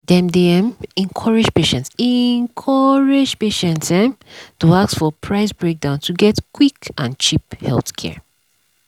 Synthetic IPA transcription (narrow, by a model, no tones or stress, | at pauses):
dɛ̃mdiɛ̃mɛ̃ŋkʰɔɹɪd͡ʒpeʃɛ̃ntsɛŋkʰɔɹed͡ʒpeʃɛ̃ntɛ̃mtuaksfɔpʰɹaɪsbɹek̚dãʊ̃ntʰuɡɛtkwikãnt͡ʃiphɛ̰lθkʰɛ̰ɹ